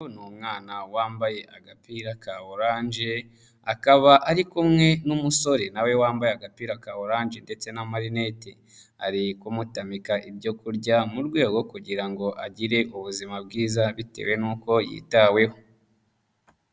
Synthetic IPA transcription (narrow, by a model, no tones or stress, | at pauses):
nuːmŋaːnawaːmbaje̞ʔaɡapiɾakaoɾaːnʒe | akaβaʔaɾikumŋe̞numuso̞ɾe̞nawe̞waːmbajeaɡapiːɾakaoɾaːnʒe̞nde̞t͡se̞namaɾine̞te | a̰ɾikumutamikaʔibɟo̞kuɾɟamuɾɡwe̞ːɡo̞kuɟiɾaŋɡo̞ʔaɟiɾe̞ʔuβuzimab̚ɡiːzaβite̞̰we̞nuːko̞jḭtawe̞ho